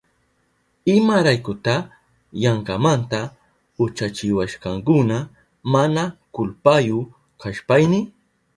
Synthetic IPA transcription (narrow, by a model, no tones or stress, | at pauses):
ɪmaɾajkʊt̪a | jaɴɢɑmant̪a | ʊt͡ʃat͡ʃɪwaʃkɑŋkʊna | manakʊlpajʊ | kaʃpajnɪ